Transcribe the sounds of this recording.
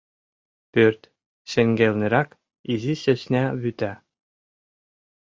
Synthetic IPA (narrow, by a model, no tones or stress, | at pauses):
pørt̪ʲ | ɕɘ̆ŋɡelʲnʲɘ̆ɾæk | iziɕɘ̆ɕnʲæβyt̪æ